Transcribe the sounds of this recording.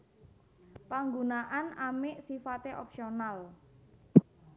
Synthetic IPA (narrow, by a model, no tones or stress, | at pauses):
paŋɡunaʔanamɪʔsifat̪eʔɔpsional